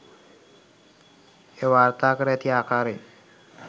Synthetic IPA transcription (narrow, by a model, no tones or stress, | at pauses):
heʋaɾt̪akəɾjat̪iakʰaɾe